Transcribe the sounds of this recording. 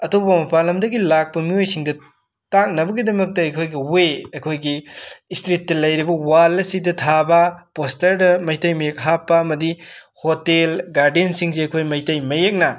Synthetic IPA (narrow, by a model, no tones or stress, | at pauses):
ɐtopɐmɐpalɐmdɐɡilak̚pɐmiojsiŋdɐ | tak̚nɐbɐɡidɐmɐk̚tɐɐjkʰojɡiweɐjkʰojɡistɾitːɐlɐjɾibɐwalɐsidɐtʰabɐpostɐɾdɐmɐjtɐjmɐjek̚ɦapːɐɐmɐdihotelɡaɾdensiŋzeɐjkʰojmɐjtɐjmɐjek̚nɐ